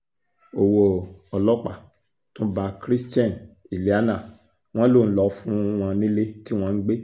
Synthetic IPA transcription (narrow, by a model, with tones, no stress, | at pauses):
o˨wo˨ɔ˨lɔ˦k͡pa˨ | tũ˦ba˨˧kɾi˦stã˦˨n | i˨le˨˦a˦nã˦˨ | w̃ɔ̃˦lo˦˨n̩˦lɔ˨˦fũ˦w̃ɔ̃˧nĩ˦le˦ti˦w̃ɔ̃˧˦ɡ͡be˦